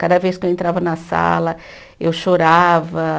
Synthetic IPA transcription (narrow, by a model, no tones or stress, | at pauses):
kad̪ɐvejskewẽnt̪ɾavɐnɐsa̰lɐ | ewʃoɾavɐ